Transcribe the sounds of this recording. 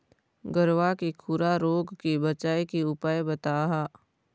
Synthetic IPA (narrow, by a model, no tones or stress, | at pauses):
ɡəɾwakikʰuɾaɾoːɡkibɐt͡ʃaːjkiʊpaːjbət̪aːɦaː